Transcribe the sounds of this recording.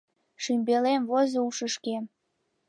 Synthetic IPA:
ʃymbelemvozouʃəʃkem

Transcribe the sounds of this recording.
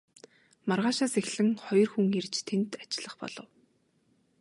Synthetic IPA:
marʁaːʃaːsexɮɘ̆ŋχɔjɞ̆rxuŋirt͡ɕt̪ʰent̪ḁt͡ɕɪɮə̆χpɔ̰ɮɞ̆w

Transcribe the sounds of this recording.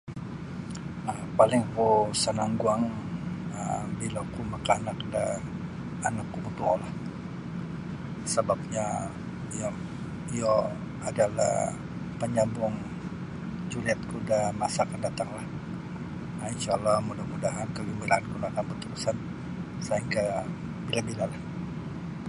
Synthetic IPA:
apalɪŋkusənaŋɡuaŋ | ə̰bilakumakaːnak̚daː | nakːubut̪ualah | səbap̚ɲa | ja | ijɔ | adala̰h | pəɲambʊŋ | d͡ʒuliat̪̚kudamasaːkandat̪aŋlah | ainʃaːlːahmudahmudaɦankəɡəmbiɾaankunaakanbət̪uɾusan | saiŋka | bilabilalah

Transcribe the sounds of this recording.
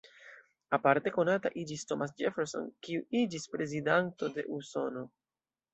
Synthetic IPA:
apaɾte̞ko̞nata̰ʔid͡ʒisto̞mas̬d͡ʒefeɾso̞̰nkiuʔid͡ʒispɾe̞zidanto̞de̞̰ʔuso̞no̞

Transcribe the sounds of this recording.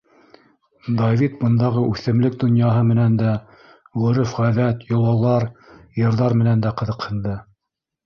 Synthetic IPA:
d̪ɑvʲit̪̚bɤ̆nd̪ɑʁɤʔʉθɘ̆mlɘk̚d̪ŏnjɑɦɤmɘ̆nænd̪æ | ʁɵ̆ɾɘfʁæðæt̪jŏlˠɑlˠɑɾjɤ̆ɾðɑɾmɘ̆nænd̪æqɤ̆ðɤ̆qhɤ̆nd̪ɤ

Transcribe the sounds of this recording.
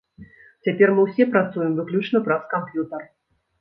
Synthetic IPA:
t͡sʲapʲɛrmɨwsʲɛpɾat̪sujɪmvɨklʲut͡ʂnɐpɾɐskampjut̪ɐr

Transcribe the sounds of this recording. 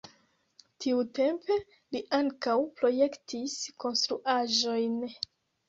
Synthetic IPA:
tʰiute̞mpe̞ | liʔaŋkawpɾo̞je̞ktʰisko̞nstɾuʔaʒo̞jn

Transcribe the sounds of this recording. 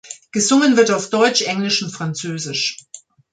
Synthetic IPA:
ɡ̥əzʊŋənvɪɐtaʊfd̥ɔʏt͡ʃʔɛŋlɪʃʊntfʁ̥ant͡søːzɪʃ

